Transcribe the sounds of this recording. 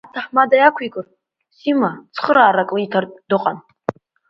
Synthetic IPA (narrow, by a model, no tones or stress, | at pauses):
atʰaħmadajakʷʰikʼɨr | simat͡sʰχəɾaːɾakʼlitʰardɨqʼan